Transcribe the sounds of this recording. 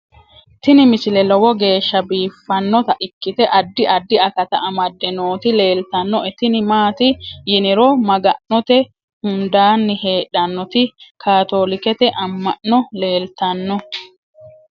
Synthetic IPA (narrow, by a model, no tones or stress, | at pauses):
t̪ɪnɪmɪsɪlɛlɔwɔɡe̞ːʃːɐbiːfːɐnːɔt̪ɐʔɪkːɪt̪ɛʔɐd̪ːɪʔɐd̪ːɪɐkɐt̪ɐɐmɐd̪ːɛnoːt̪ɪle̞ːlt̪ɐnːɔɛt̪ɪnɪmaːt̪ɪjɪnɪɾɔmɐɡɐnnɔt̪ɛ | hʊnd̪aːnːɪhe̞ːᶑɐnːɔt̪ɪkʰaːt̪o̞ːlɪkɛt̪ɛʔɐmːɐ̰ʔːɔle̞ːlt̪ɐnːɔ